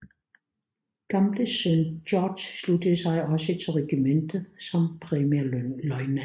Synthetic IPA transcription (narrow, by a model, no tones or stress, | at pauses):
ɡ̥ɑmləsønɔːd̥ssludəsɑɪʔɒsət͡sʰelʁɛɡ̥imend̥əsɑmd̚pʰʁɛmelɔɪnə